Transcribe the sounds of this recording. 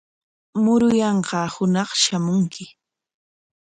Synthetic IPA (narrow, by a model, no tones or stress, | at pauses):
mʊɾʊjɑɴɢɑːhʊnɑχʃamʊŋkʰɪ